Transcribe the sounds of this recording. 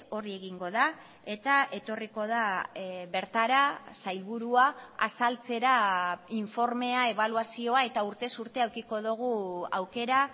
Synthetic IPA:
o̞ɾie̞ɣiŋɡo̞ða | e̞t̪aʔe̞t̪o̞riko̞ð̞aβe̞ɾt̪aɾasajlβuɾuaa̰salt͡se̞ɾaiɱfo̞ɾme̞ae̞β̞aluasio̞ae̞t̪auɾt̪e̞suɾt̪e̞awkiko̞ðuɣ̞uawke̞ɾa

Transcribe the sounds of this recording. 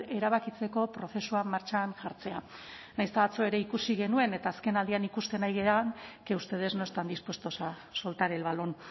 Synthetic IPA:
e̞ɾaβ̞akit͡se̞ko̞pɾo̞θe̞suamːaɾt͡ʃanʝaɾt͡se̞a | najst̪aβat͡sue̞ɾe̞ikusiɣe̞nue̞ne̞t̪aːske̞nald̪ianikust̪e̞najɣeaŋke̞ust̪e̞ð̞e̞zno̞est̪and̪ispwe̞st̪osa | so̞lt̪aɾelβalon

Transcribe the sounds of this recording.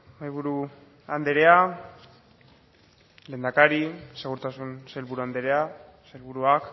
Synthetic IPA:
majβuɾu | and̪e̞ɾe̞a | le̞ːnd̪akaɾise̞ɣuɾt̪asunselβuɾuand̪e̞ɾe̞a | selβuɾuak

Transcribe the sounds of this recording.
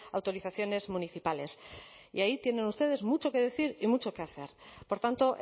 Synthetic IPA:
awt̪o̞ɾiθaθjo̞ne̞zmuniθipale̞s | ḭait̪je̞ne̞nust̪e̞ð̞e̞zmut͡ʃo̞ke̞ð̞e̞θiɾimut͡ʃo̞ke̞aθe̞ɾpo̞ɾt̪ant̪o̞ʔ

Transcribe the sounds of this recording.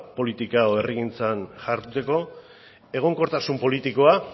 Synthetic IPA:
po̞lit̪ikaoe̞riɣint͡sanʝaɾt̪ut̪e̞ko̞ | e̞ɣ̞o̞ŋko̞ɾt̪asumpo̞lit̪iko̞a

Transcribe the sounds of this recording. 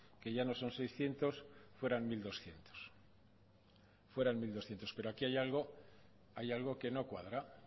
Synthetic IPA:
ke̞ʝano̞so̞nsejsθje̞nt̪o̞sfwe̞ɾanmild̪o̞sθje̞nt̪o̥s | fwe̞ɾaŋmild̪oθje̞nt̪ope̞ɾoakiajalɣo | ajalɣo̞ke̞no̞kwaðɾa

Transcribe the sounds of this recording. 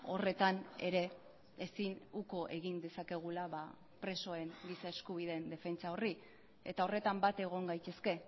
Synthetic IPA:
o̞re̞t̪ane̞ɾe̞ | esinuko̞ʔe̞ɣind̪e̞sake̞ɣ̞ulaβa | pɾe̞so̞e̞ŋɡisae̞skuβ̞iðe̞nd̪e̞fe̞nt͡sao̞ri | e̞̰t̪ao̞re̞t̪ambat̪e̞ɣ̞o̞ŋɡajt̪e̞ske̞

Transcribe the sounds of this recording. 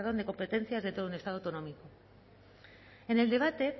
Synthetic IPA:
ðo̞nd̪eko̞mpe̞t̪e̞nθjazðet̪ounest̪aðwt̪onõ̞miko | ene̞ld̪e̞β̞at̪e̞

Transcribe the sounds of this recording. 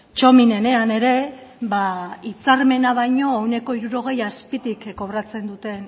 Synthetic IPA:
t͡ʃo̞mine̞ne̞ane̞ɾe̞βait͡saɾme̞naβ̞ajɲo̞ewne̞ko̞iɾuɾo̞ɣ̞e̞jaspit̪ikːo̞βɾat͡se̞nd̪ut̪e̞n

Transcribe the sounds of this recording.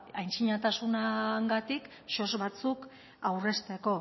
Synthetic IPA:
ajnt͡siɲat̪asunaŋɡat̪ik | ʃo̞zβat͡suk | awre̞st̪e̞ko̞

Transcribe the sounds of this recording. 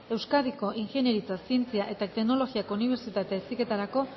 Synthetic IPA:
e̞wskaðiko̞ʔiŋxe̞ne̞ɾit͡sasie̞nt͡siaʔe̞t̪at̪ekno̞lo̞ɣiako̞uniβ̞e̞ɾt͡sit̪at̪e̞ːsike̞t̪aɾako̞

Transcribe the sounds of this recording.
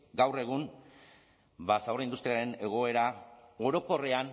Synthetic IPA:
ɡawre̞ɣ̞un | basawraind̪ust̪ɾiaɾe̞ne̞ɣ̞o̞e̞ɾao̞ɾo̞ko̞re̞an

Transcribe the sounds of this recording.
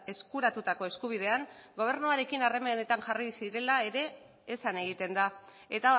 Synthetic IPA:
e̞skuɾat̪ut̪ako̞e̞skuβ̞ið̞e̞aŋɡo̞β̞e̞ɾnuaɾe̞kinare̞mane̞t̪aŋʝarisiɾe̞lae̞ɾe̞ː | sane̞ɣ̞it̪e̞nd̪a | e̞t̪a

